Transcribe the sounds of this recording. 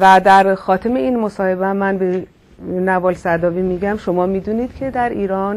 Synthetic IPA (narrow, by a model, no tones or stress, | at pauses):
væd̪æɾxɒːt̪ʰemeiːnmosɒːhe̞bæmːænbe | nævɒːlsæd̪ɒːviːmiːɟæmʃo̞mɒːmid̪uːniːd̪̥cʰe̞d̪æɾiːɾɒːn